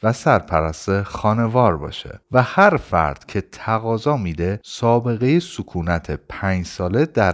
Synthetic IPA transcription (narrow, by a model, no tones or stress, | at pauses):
væsæɾpʰæɾæst̪exɒːne̞vɒːɾbɒ̰ːʃḛvæhæɾfæ̰ɾd̪̥cʰe̞t̪ʰæɣɒːzɒːmiːd̪e̞sɒːbe̞ɣe̞jesukʰuːnæt̪ʰepʰæɲd͡ʒsɒːle̞d̪æɾ